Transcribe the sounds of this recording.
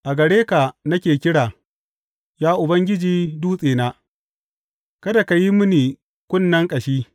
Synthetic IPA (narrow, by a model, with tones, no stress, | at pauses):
ʔa˨ɡɐ˨ɽeː˦ka˨nɐ˦kʲeː˨kʲɪ˦ɽaː˨ | jaː˦ʔʊ˨bɐ˦ŋɡʲɪ˦d͡ʒiː˦duː˦sʼeː˨naː˦ | kɐ˦da˨ka˨ji˦mʊ˦niː˨ | kʷʊ˦nːɐ˦ŋkʼɐ˨ʃiː˦